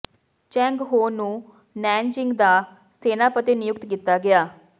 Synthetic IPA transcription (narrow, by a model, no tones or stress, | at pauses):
t͡ʃɛ̃ːŋɡɦoːnũː | nɛːnd͡ʒɪŋɡd̪aː | seːnaːpət̪eːnɪjʊkt̪kiːt̪ːaːɡɪaː